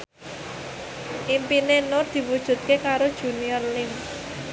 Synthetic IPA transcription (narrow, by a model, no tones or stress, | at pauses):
ʔimpinenʊrd̪̥i̤wud̥ʒ̥ṳt̪̚kekaɾod̥ʒ̥ṳniərlɪŋ